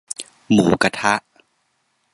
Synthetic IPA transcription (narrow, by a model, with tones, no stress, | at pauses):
muː˩˦ka˧t̪ʰa˦˥ʔ